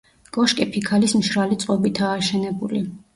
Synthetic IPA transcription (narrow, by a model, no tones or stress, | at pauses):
ɡʼɔʃkʼipʰikʰalismʃɾalit̪sʼqʼɔbit̪ʰaːʃɛnɛbuli